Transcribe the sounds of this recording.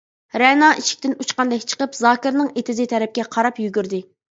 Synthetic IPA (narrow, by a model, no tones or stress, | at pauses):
ɾɛnɑʔiʃʰɪ̥kʲt̪ɪnut͡ʃqɑnd̪ɛkʲt͡ʃʰə̥qəpzɑːkʲɪɾnɨŋet̪ʰɪzɪt̪ʰɛɾɛp̚kʲɛqʰɑɾɑpjyɡʲyɾd̪ɪ